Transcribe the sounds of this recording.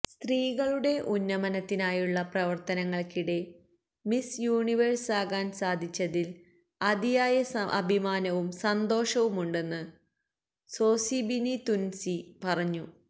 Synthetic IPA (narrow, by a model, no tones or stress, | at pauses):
st̪riːɣɐɭuɽe̞ʔunːɐmɐnɐt̪ːinaːjuɭːɐprɐʋɐrt̪ɐnɐŋːɐɭkiɽe̞ | misjuːɳiʋɐrsaːɣaːnsaːd̪ʱit͡ɕːɐðil | ɐd̪ijaːjɐʔɐ̰bʱimaːnɐʋumsɐnd̪o̞ːʂɐʋumuɳɖe̞nːɨ | so̞ːsibinit̪unsipɐrɐɲːu